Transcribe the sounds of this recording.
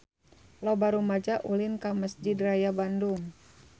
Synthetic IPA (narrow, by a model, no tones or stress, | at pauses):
lɔbaɾumad͡ʒaʔulɪnkaməsd͡ʒidrajabanduŋ